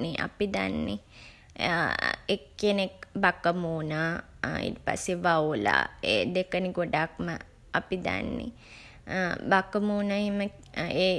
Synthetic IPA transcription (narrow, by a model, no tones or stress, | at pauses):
niʔa̰pid̪a̰nːḭ | ekːenekbakəmuːna | ḭʈəpa̰seʋawla̰eːd̪ekəniɡoɖakmə | apid̪a̰nːḭ | bakəmuːnaeɦimə | eː